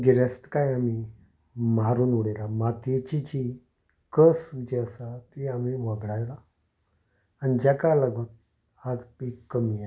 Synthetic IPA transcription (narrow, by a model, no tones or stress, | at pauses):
ɡeɾast̪kajami | maɾuːnuɽelamat̪et͡ɕit͡ɕi | kəsd͡ʑeəsat̪iam̤iʋəɡɽajla | anid͡ʑakalaɡot̪̚ | ad͡zpikːəmia